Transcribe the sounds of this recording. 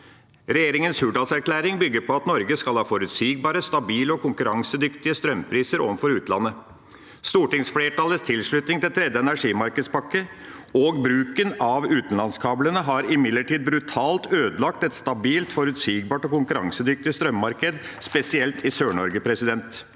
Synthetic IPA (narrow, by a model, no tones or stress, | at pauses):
ɾɛjeːɾɪŋənshʉːɖɑːlsæɾklæːɾɪŋbʏɡːəɾpɔɑt̪nɔɾɡəskɑlhɑːfɔɾʉt̪siːɡ̚bɑːɾəst̪ɑbiːləɔkʰʊŋkʉɾɑŋsəd̪ʏkt̪ɪəst̪ɾœmpʰɾiːsəɾɔ̰ʋfɔɾʉːt̪nlɑnːə | st̪uːʈɪŋsfleːʈɑːləst̪ʰɪlʂɭʉt̪nɪŋt̪ɪlt̪ʰɾɛd̪jəɛnæʂiːmɑɾkəd̪spɑkːəoːɡbɾʉːkənɑʋʉːt̪n̩lɑnskʰɑːblənəɦɑɾɪmɪd̪ləʈiːd̪̚bɾʉt̪ʰɑːlt̪øːd̪əlɑk̚t̪ɛt̪st̪ɑbiːlt̪fɔɾʉt̪siːɡ̚bɑːʈɔkʊŋkʉɾɑŋsəd̪ʏk̚t̪ɪst̪ɾœmmɑɾkəd̪spɛsɪɛlt̪ʰɪsøːɳɔɾɡəpʰɾɛsɪd̪ɛnt̪